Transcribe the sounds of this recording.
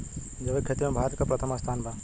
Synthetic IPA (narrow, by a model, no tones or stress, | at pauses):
d͡ʒɐbekʰet̪imebʱaːt̪kapɾɐt̪ʰəmast̪ʰaːnbʱa